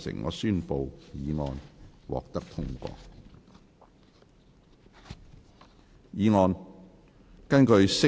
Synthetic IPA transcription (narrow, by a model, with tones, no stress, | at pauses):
sɪ̰˨˩ŋŋɔ̰ː˨˧syː˥˧npo˨wjiː˨˧ŋɔː˨nwɔ̰ː˨k̚t̪ɐ˥k̚t̪ʰʊ˥ŋkʷɔ̰ː˧ | jiː˨˧ŋɔː˧n | kɐ˥nkɵ˨˧ɥsɪ˥